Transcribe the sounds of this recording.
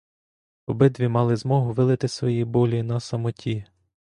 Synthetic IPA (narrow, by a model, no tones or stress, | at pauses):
ɔbɪd̪ʋʲimɑlˠɪzmɔɦʊʋɪlˠɪt̪ɪsʋɔjibɔlʲinɐsɐmɔtʲi